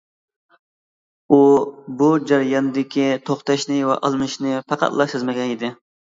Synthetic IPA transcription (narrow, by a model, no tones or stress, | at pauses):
ubud͡ʒɑɾjɑnɨd̪ɪkʲit̪ʰoχt̪ɑʃnɪwɛ̰ʔɑlˠmɨʃnɪpʰɑqɑ̰t̪lˠɑʃɨzmɛɡʲɛnid̪ɪ